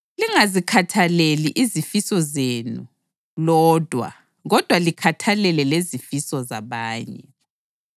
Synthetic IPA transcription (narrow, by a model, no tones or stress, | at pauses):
liŋazikʰatʰaleliʔizifisɔzenṵ | lɔːd̥ʱwa̰ | ɣɔd̥ʱwalikʰatʰalɛlɛlezifisɔzaβaːɲɛ̰